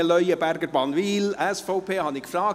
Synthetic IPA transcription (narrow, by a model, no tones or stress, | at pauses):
əlœʏəbæɾɡəɾbɑnʋiːlɛsfɔʊpʰeːhɑnɪkfɾɑː